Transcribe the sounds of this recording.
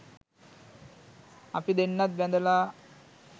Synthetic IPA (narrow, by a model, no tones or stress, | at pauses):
ɐ̰pid̪enːat̪̚bɛ̃nd̪ɐla